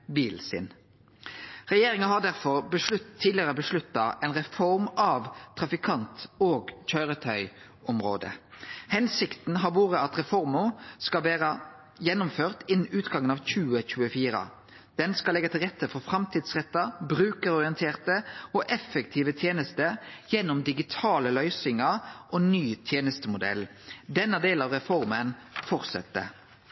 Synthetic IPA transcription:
biːlsɪ̰n | ʁɛjeːɾɪŋəɦɑʁd̪æʁfɔʁbəʂʉt̪ʰːiːd̪lɪəʁəbəʂlʉt̪ːɑʔɛnʁɛfɔɾmɑʋt̪ʰːʁɑfɪkʰɑnt̪oːɡc͡çœʏʁət̪ʰœʏ | ʔɔmʁo̰ːd̪ə̰hɛnsɪkt̪n̩ɦɑʋuːʁəɑt̪ʁɛfɔʁmʊskɑlʋeːʁə | jɛnʊmføːʁt̪ɪnn̩ʉːt̪ɡɑŋːənɑʋçʉːəçʉːəfiːʁə̰ | d̪̥ɛnskɑlɛɡɑt̪ʰɪlʁɛt̪ʰːəfɔɾfɾɑmt̪ʰiːd̪sʁɛt̪ːɑbɾʉːkəɾɔʁɪənt̪ʰeːʁt̪əɔʔɛfːəkt̪ʰiːʋət̪ʰjeːnəst̪əjɛnːʊmd̪ɪɡɪt̪ʰɑːləlœʏsɪŋəʁʔonyːt̪ʰjeːnəst̪əmʊd̪ɛ̰lː | d̪ɛnːəd̪eːlɑʋʁɛfɔʁmən | fɔʁt̪sɛ̰t̪ːə̰

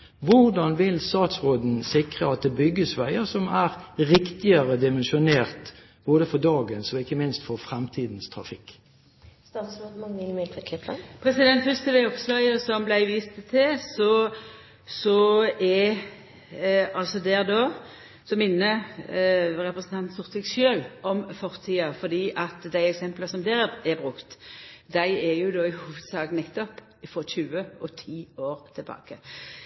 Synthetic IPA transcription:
ʋʊʁd̪ɑnʋɪlst̪ɑːt̪sʁoːd̪n̩sɪkʁəɑt̪̚d̪ɛbʏɡːəsʋæɪəsɔmæɾɾɪkt̪ɪəʁəd̪ɪmɛnʃʊneːʁt̪ | b̥oːd̪əfɔd̪ɑːɡənsɔɪkːəmɪnst̪fɔʁfʁɛmt̪ʰiːd̪n̩st̪ʰɾɑ̰fɪkː | st̪ɑsod̪ɪkʰlɪpəpʰɾɛsɪd̪ɛnt̪fʏst̪əʋæɪɔpslœɪəsɔmblæɪʋiːst̪ət̪ʰɪsɔ | sɔɛ | ɑlsɔd̪eːʁd̪oː | sɔmɪnːə | ʁɛpʁəsn̩t̪ʰɑnt̪sʊʁt̪ʰʋɪɡsʃøːlʔɔmfɔʁt̪ʰiːɑfɔʁd̪iːʔɑt̪d̪æɪɛksɛmpləsɔmd̪eːɾʁɛbʁʉkt̪d̪æɪɛɾjʊd̪oːɪhuːʋəd̪̥sɑːɡnɛt̪ːɔp | ɪfɔçʉːəʔɔt̪ʰiːoːɾt̪ʰɪlbɑ̰ːkə

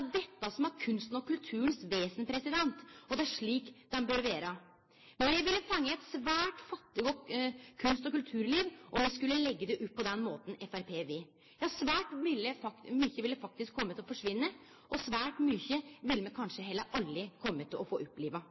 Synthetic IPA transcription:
d̪ɛt̪ːəsɔmæɾkʰʉnst̪n̩ɔkʉlt̪ʰʉːənsʋeːsənpʰɾɛsɪd̪ɛnt̪ɔd̪ɛæɾʂɭiːkd̪̥ɛnbœɾʋeːɾə | mɛnjɛʋɪlːəfɑŋːəɛt̪sʋæːʈfɑt̪ːɪɡokʰʉnst̪ɔkʉlt̪ʰʉːɾliːʋʔɔmʋɪskʉlːəlɛɡːəd̪ɛʔʉp̚ːpʰːɔd̪ɛnmoːt̪n̩ɛfæɾpʰeːʋɪ | j̪æhɑʂʋæːʈmɪlːəfɑmyːçəʋɪlːəfɑk̚t̪ɪskʰːɔmːət̪ʰɪlɔfɔʂʋɪnːə | ʔɔsʋæːʈmyːçəʋɪlːmɛkʰɑnʂəɦɛlːəɾʔɑlːɾɪkʰɔmːət̪ʰːɪlɔfoːʔʉpːliːʋɑ

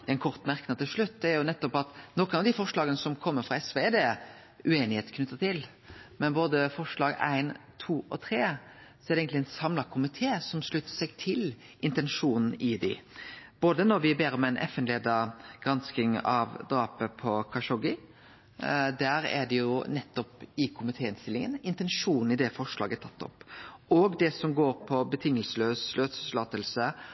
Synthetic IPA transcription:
ɛɪnkʰɔɾt̪mæɾkənɑt̪ʰɪlʂɭʉt̪ːd̪ɛæɾjʊnɛt̪ːɔpɑt̪nɔkənɑʋd̪ɪfɔʂɭɑːɡənəsɔmkʰɔmːəfʁɑɛsʋed̪e | ʉeːnɪheːt̪kʰnʉt̪ːɑt̪ʰɪl | mɛnboːd̪əfɔʂɭɑːɡæ̰ɪnt̪ʰuːʔɔ̰t̪ʰɾeːsɔɛɾɛeːɡənt̪lɪɛnsɑmlɑkʰʊmɪt̪ʰeːsɔmsɭʉt̪ːə̥sɛɡt̪ʰɪl | ʔɪnt̪ɛnʂuːnn̩ɪd̪ɪ̰b̥oːd̪ənɔɾʋɪbeːɾəmɛæɪnʔɛ̰fɛnleːd̪ɑɡ̥ʁɑnskɪŋɑʋd̪ɾɑːpəpʰɔkʰɑʂɔɡɪ | d̪æɾæ̰ɖ̪ɛjʊnɛt̪ːɔpɪkʰʊmɪt̪ʰeːɪnst̪ɪlːɪŋə̰nɪnt̪ɛnʂuːnn̩ɪd̪ɛfɔʂɭɑ̰ːɡət̪ʰɑt̪ːɔ̰pːɔɡd̪ɛsɔmɡoːɾpʰɔbət̪ʰɪŋːəlsəløːsløːslɑːt̪əlsə

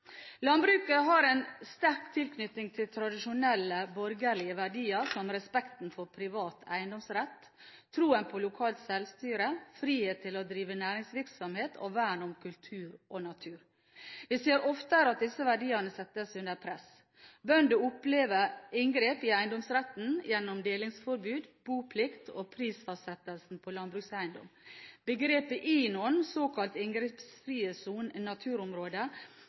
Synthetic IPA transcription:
lɑnbɾʉːkəɦɑɾɛnst̪æɾkt̪ʰɪlkʰnʏt̪ːɪŋt̪ʰɪlt̪ʰɾɑd̪ɪʃʊnɛlːəbɔɾɡəɾɭɪəʋæɖiːəɾsɔmɾɛspɛkt̪n̩fɔɾpʰɾɪʋɑːt̪ʰæ̰ɪənd̪ɔmsɾɛt̪ʰː | ɾuːənpʰɔlʊkʰɑːlt̪sɛlʋst̪yːɾəfɾiːheːt̪ʰːɪlod̪ɾiːʋənæːɾɪŋsʋɪɾksɔmheːt̪ʰo̰ʋæːɳɔmkʰʉlt̪ʰʉːɾʔonɑt̪ʰʉːɾ | ʋɪseːɾɔft̪əɾɑt̪̚d̪ɪsːəʋæɖiːənəsɛt̪ːəsʉnd̪əɾpʰɾɛs | bœnd̪ʉʊpleːʋəɾɪŋɡɾeːpɪæɪnd̪ɔmsɾɛt̪n̩jɛnːɔmd̪eːlɪŋsfɔɾbʉːd̪buːpʰlɪkt̪ʰo̰ːpʰɾiːsfɔsɛt̪əlsn̩pʰolɑnbɾʉːksæɪnd̪ɔ̰mbəɡɾeːpəʔiːnɔnsoːkʰɑlt̪ɪŋɡɾepsfɾiːəsuːnnɑt̪ʰʉːɾɔmɾoːd̪ə

